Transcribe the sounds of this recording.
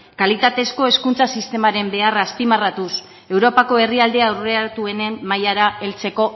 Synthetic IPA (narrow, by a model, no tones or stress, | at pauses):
kalit̪at̪e̞sko̞e̞skunt͡sasist̪e̞maɾe̞mbe̞araːspimarat̪us | e̞wɾo̞pako̞e̞riald̪eawreat̪ue̞ne̞mmajaɾae̞lt͡se̞ko̞